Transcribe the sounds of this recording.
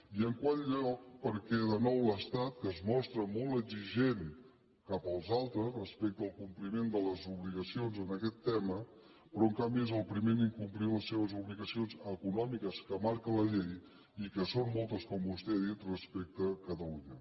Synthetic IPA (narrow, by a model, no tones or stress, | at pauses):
iəŋkwaʎʎɔk̚pəɾkɛðənɔwləst̪at̪kəzmɔst̪ɾəmɔlˠt̪əɡziʒen | kapəlˠzalˠt̪ɾəzrəspɛk̚t̪əlˠkumplimend̪ələzuβliɣəsionzənəkɛt̪ːɛmə | pɾɔŋkambiezəlˠpɾimeniŋkumpliləsːeβəzuβliɣəsionzəkunɔmikəskəmaɾkələʎej | ikəsonmɔlˠt̪əskɔmbust̪ɛəðit̪rəspɛk̚t̪əkət̪əluɲə